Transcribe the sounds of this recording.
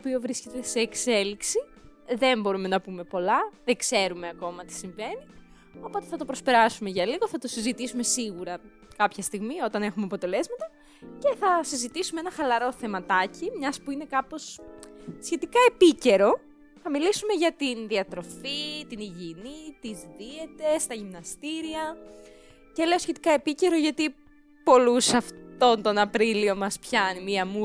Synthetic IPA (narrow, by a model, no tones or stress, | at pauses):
opio̞vɾiscet̪eseːkse̞liksi | ðe̞mbo̞ɾume̞nɐpume̞po̞lɐðeŋɡse̞ɾume̞ɐko̞mɐt̪i̥siɱve̞ni | o̞po̞t̪eθɐt̪o̞pɾo̞spe̞ɾɐsume̞ʝɐliɣo̞θɐt̪o̞sizit̪isume̞siɣuɾɐ | kɐpçɐst̪iɣmio̞t̪ɐne̞xumeɐpo̞t̪e̞le̞zmɐt̪ɐ | ce̞θɐsizit̪isumeenɐxɐlɐɾo̞θe̞mɐt̪ɐcimɲɐspuine̞kɐpo̞s | sçe̞t̪ikɐe̞pice̞ɾo̞ | θɐmilisume̞ʝɐt̪inðiɐt̪ɾo̞fit̪iniʝinit̪izðie̞t̪e̞st̪ɐʝimnɐst̪iɾiɐ | ce̞le̞o̞sçe̞t̪i̥kɐe̞pice̞ɾo̞ʝɐt̪i | po̞lusɐft̪o̞nt̪o̞nɐpɾilio̞mɐspçɐnimiɐmu